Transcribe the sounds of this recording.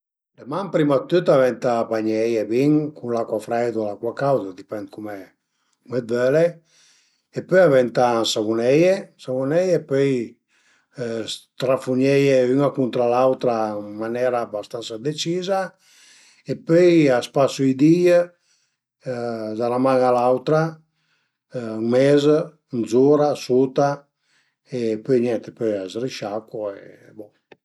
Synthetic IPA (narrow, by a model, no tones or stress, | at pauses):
d̪emampɾimat̪ːyt̪avɛnt̪abaɲejebiŋkʰunlakwafɾɛjd̪alakwakawzad̪ipɛnd̪̚kumɛ | kumɛd̪̚bɛle | epøjavɛnt̪ansavunejesavunɛjepøj | st̪ɾafuɲejeynakunt̪ɾalawt̪ɾamanɛɾabast̪ansad̪et͡ʃiza | epøjaspasuid̪i | d̪alamaŋalawt̪ɾa | ŋmɛz | nzuɾasut̪a | epøjɲɛnt̪epøjazɾiʃakuḛ | bɔ